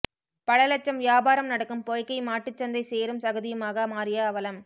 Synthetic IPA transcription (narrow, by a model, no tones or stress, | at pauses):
pɐɭɐlɐt͡ʃːɐmʋɪjaːbaːɾɐmnɐɽɐkːɯmpoːjkːɐɪmaːʈːɯt͡ʃːɐnd̪ɐɪseːɾɯmsɐɣɐðɪjɯmaːɣɐmaːɾɪjaːʋɐlɐm